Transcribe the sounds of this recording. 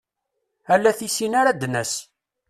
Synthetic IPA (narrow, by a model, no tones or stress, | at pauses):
ælːæθisinaɾad̪næs